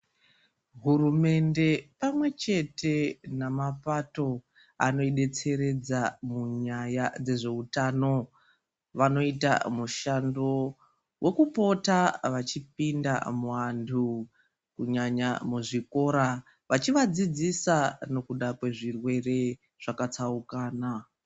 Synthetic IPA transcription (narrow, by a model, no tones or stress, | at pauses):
ɦurume̞nde̞pamwe̞t͡ʃe̞te̞namapato̞ | a̰no̞iɗe̞t͡se̞ɾe̞d͡zamuɲajad͡ze̞ʐe̞utano̞ | ʋano̞ita̰muʃando̞ | wʔe̞kupo̞taʋat͡ʃip̚inda̰muwantʰu | kuɲaɲamuʐiko̞ːɾa | ʋat͡ʃiʋad͡zid͡zisano̞kuɗakwe̞ʐirwe̞re̞ | ʐ̥akat͡saukaːna